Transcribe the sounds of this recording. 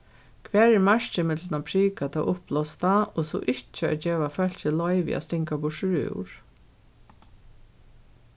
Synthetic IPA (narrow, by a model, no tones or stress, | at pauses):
kʰʋæːɾɛɾmaʃt͡ʃəmɪt̪lənapʰɾiːkat̪ʰa̰ʔʊplɔst̪aɔsɔ̰ʔɪht͡ʃːəa̰d͡ʒeːʋafœl̥t͡ʃəlɔʏʋḭa̰st̪ɪŋkabʊʃɹʉ̰wɹ̥